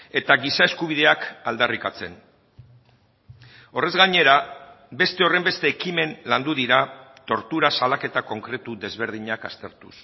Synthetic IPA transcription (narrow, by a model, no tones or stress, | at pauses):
e̞t̪aɣisaeskuβ̞iðe̞akald̪arikat͡se̞n | o̞re̞zɣaɲe̞ɾa | be̞st̪e̞o̞re̞mbe̞st̪e̞ːkime̞nland̪uðiɾat̪o̞ɾt̪uɾasalake̞t̪ako̞ŋkɾe̞t̪uðe̞zβe̞ɾð̞iɲakast̪e̞ɾt̪u̥s